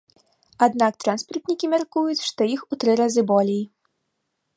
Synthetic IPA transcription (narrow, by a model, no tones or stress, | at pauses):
ad̪nak̚t̪ɾanspɐrt̪nʲikʲimʲarkujut͡sʲʂt̪ɔjixut̪ɾɨɾazɨbɔlʲej